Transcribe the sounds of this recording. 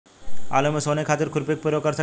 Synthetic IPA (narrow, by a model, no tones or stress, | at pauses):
a̰lomesɔnekʰːat̪eɾkʰuɾpek̚poɾokaɾt̪ʰa